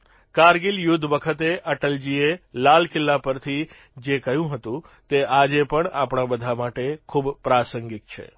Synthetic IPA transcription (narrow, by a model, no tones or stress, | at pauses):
kaɾɡiljʊd̪ʱːʋəkʰət̪eʔəʈəld͡ʒielalkɪlːapəɾt̪ʰi | d͡ʒekəjũɦət̪ũ | t̪ead͡ʒepəɳapɳabəd̪ʱamaʈekʰubpɾasəŋɡik̚t͡ʃʰḛ